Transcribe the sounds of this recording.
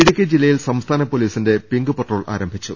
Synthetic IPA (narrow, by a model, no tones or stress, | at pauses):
iɽukʲːɐd͡ʑilːɐjilsɐmst̪ʰaːnɐpːoliːsinde̞piŋɡɨpeʈːro̞ːɭa̰ːɾɐmbʱit͡ɕːṵ